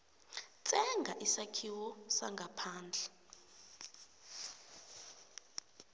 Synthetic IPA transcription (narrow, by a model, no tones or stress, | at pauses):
t͡sʼɛŋɡʱaʔisakʰiwɔsaŋɡʱapʰaːnd͡ɮʱɛ